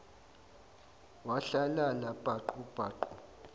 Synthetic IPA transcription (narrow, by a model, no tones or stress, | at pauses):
waɬalalab̥ʱaǃub̥ʱaːǃu